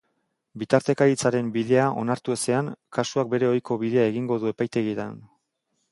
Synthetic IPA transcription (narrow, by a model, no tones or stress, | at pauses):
bit̪aɾt̪e̞kaɾit͡saɾe̞mbið̞e̞aʔo̞̰naɾt̪ue̞se̞aŋkasuak̚be̞ɾe̞o̞jko̞βið̞e̞ae̞ɣiŋɡo̞ðue̞pajt̪e̞ɣit̪a̰n